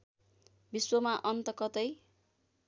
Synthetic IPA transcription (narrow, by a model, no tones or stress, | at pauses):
biswʌmaʔʌnt̪ʌkʌt̪ʌj